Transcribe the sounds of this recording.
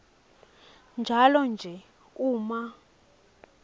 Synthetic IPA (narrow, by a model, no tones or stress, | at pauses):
nd͡ʒʱalɔnd͡ʒʱɛ | uːma